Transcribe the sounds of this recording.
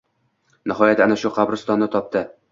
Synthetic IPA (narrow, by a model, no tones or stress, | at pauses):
nɘ̆ɦɒjæt̪ænæʃuqɑbɾɤst̪ɒnːɤt̪ɒp̚t̪ɤ